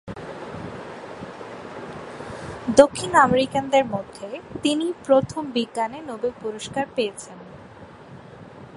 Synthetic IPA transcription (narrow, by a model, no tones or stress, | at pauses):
d̪okʰːinameɾikand̪eɾmod̪ʱːet̪inipɾot̪ʰombiɡːanenobepuɾoʃkaɾpejet͡ɕʰen